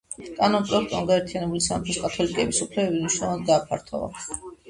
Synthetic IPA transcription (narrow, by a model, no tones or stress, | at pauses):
kʼanɔnpʼɾɔɛk̚t̪ʼɔnɡaɛɾt̪ʰijanɛbulisanp̪ʰɛskʼat̪ʰɔlikʼɛbisupʰlɛbɛbiniʃnɔlˠand̪̚ɡ̪aːpʰa̰ɾt̪ʰɔ̰va̰